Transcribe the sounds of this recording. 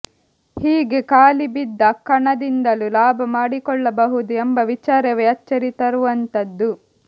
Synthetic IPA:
hiːɡekaːlibid̪ːɐkːɐɳɐd̪ind̪ɐlulaːbʱɐmaːɽikɔɭːɐbɐɦud̪uembɐʋit͡ʃaːɾɐʋɛɐt͡ʃːɐɾit̪ɐɾuʋɐnt̪ɐd̪ːu

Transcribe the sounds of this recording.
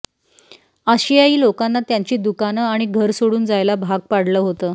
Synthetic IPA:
əɕiaiːlokanːat̪jaɲt͡ɕiːd̪ukanəaɽ̃iɡʱəɾsoɽuːnd͡zajlabʱaɡ̚paɽləːɦot̪əː

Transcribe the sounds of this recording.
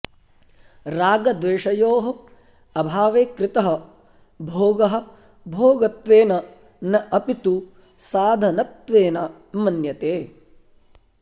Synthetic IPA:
ɾaːɡɐd̪ʋeːʂɐjoːɦɐ | ɐbʱaːʋeːkɾɪt̪ɐɦɐ | bʱoːɡɐɦɐ̆ | bʱoːɡɐt̪ʋeːnɐ | nɐʔɐpit̪u | saːd̪ʱɐnɐt̪ʋeːnɐ | mɐnjɐt̪eː

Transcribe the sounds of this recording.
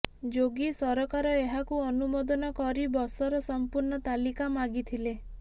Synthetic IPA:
d͡ʒoɡisɔɾɔkaɾɔeɦakuɔnumɔd̪ɔnɔkɔɾibɔsɔɾɔsɔmpuɾɳɔt̪alikamaɡit̪ʰile

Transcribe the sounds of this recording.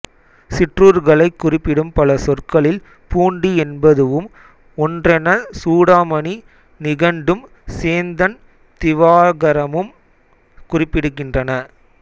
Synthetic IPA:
sɪʈruːɾɣɐɭɐɪkːʊrɪpːɪɽɯmpɐlɐsɔrkɐɭɪl | puːɳɖiɛnbɐðɯʋɯm | ɔndrɐnɐsuːɽaːmɐɳi | nɪɣɐɳɖɯm | seːnd̪ɐn | t̪ɪʋaːɣɐɾɐmɯm | kʊrɪpːɪɽɯkːɪndrɐnɐ

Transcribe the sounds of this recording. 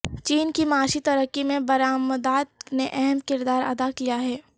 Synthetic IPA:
t͡ʃiːnkimaːʃit̪ɐɾəkːimẽbɐɾaːməd̪aːt̪̚neʔɛɦɛmkɪɾd̪aːɾɐ̰d̪akijaɦɛː

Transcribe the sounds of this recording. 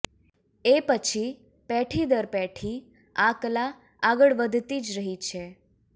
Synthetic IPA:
epət͡ʃʰi | pɛʈʰid̪əɾpɛʈʰi | akla | aɡəɭʋəd̪ʱt̪id͡ʒɾəɦit͡ʃʰe

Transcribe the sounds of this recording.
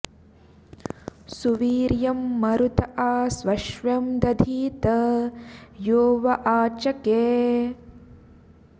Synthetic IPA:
suʋiːɾjɐmːɐɾut̪ɐʔaːsʋɐʃʋɐmd̪ɐd̪ʱiːt̪ɐ | joːʋɐʔaːt͡ʃɐkeː

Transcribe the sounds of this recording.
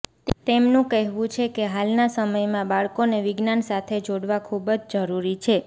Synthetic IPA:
t̪emnũkəɦʋũt͡ʃʰekeɦalnasəməjmãbaɭkoneʋɪɡnansat̪ʰed͡ʒoɽʋakʰubd͡ʒd͡ʒəɾuɾit͡ʃʰe

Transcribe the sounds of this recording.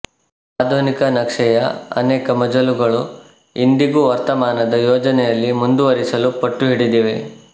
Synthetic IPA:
aːd̪ʱunikɐnɐkʂɛjɐɐ̰nɛːkɐmɐd͡ʒɐluɡɐɭu | ind̪iɡuʋɐɾt̪ɐmaːnɐd̪ɐjoːd͡ʒɐnɛjɐlːimund̪uʋɐɾisɐlupɐʈːuɦiɽid̪iːʋe

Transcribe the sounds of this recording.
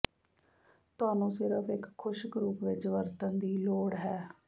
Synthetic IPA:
t̪ʊaːnũːsɪɾəfɪkʰːʊʃɡɾuːpʋɪt͡ʃʋəɾt̪ənd̪iːloːɽɦɛː

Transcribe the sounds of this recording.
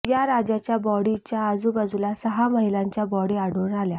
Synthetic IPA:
jaɾad͡ʑat͡ɕjabɔɽit͡ɕjaːd͡zuːbəd͡zulasəɦaməɦilãɲt͡ɕjabɔɽiaɽoːnalja

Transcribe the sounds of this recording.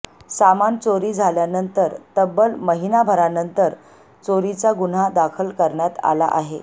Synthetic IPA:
samant͡soɾiːd͡zʱaljanənt̪əɾt̪əbəlməɦinabʱəɾanənt̪əɾ | t͡soɾit͡saɡun̤ad̪akʰəlkəɾɳjat̪a̰la̰ʔaɦe

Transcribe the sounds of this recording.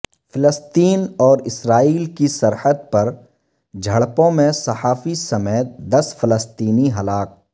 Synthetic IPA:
fɪləst̪iːnɔːɾɪsɾaːiːlkisɐɾəd̪̚pɐɾ | d͡ʒʱɐɽpõmẽsɐhaːfisɐmeːt̪d̪ɐsfɪləst̪iːniɦɐlaːk̚

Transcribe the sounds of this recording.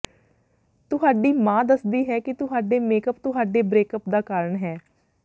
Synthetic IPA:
t̪ʊɦaːɖiːmãːd̪əsd̪iːɦɛːkɪt̪ʊɦaːɖeːmeːkəp̚t̪ʊɦaːɖeːbɾeːkəpd̪aːkaːɾəɳɦɛː

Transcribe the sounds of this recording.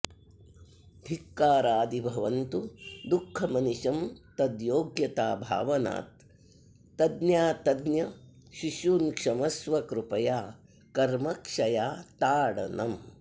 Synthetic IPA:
d̪ʱikːaːɾaːd̪ibʱɐʋɐnt̪ud̪ukʰːɐmɐniʃɐmt̪ɐd̪joːɡjɐt̪aːbʱa̰ːʋɐna̰ːt̪ː | ɐd̪njaːt̪ɐd̪njɐ | ʃiʃuːnkʂɐmɐsʋɐkɾupɐjaː | kɐɾmɐkʂɐjaːt̪aːɽɐ̰nɐm

